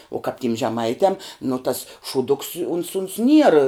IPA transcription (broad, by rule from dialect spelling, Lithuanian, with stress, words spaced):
oː kɐp tʲɪm ʒʲɛˈmɐɪtʲɛm nʊ tɐs ʃuːˈdʊks ʊns ʊns nʲiɛr